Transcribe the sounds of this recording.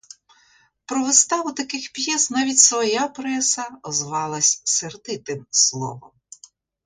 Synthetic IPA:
pɾɔʋest̪ɑʋʊt̪ɐkɪxpjɛsnɑʋʲitʲsʋɔjapɾɛsɐɔzʋɑlˠɐsʲserd̪ɪt̪ɪmslˠɔ̰ʋɔ̰m

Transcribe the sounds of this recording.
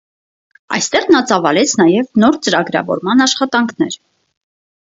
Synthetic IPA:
ɑ̰jst̪ɛʁnɑt͡sɑvɑlɛt͡sʰnɑjɛvnɔɾt͡səɾɑɡɾɑ̰vɔ̰ɾmɑnɑʃχɑt̪ɑŋkʰnɛɾ

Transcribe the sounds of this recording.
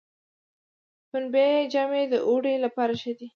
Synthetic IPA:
pʊnbed͡ʒamed̪əʔoɽelapɑɾaʃəd̪i

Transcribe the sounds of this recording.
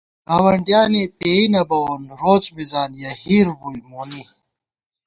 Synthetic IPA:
ɐwɐɳʈjaːnipeinɐbɐwonɾoːt͡smizaːnjɐhiːɾbulmoːni

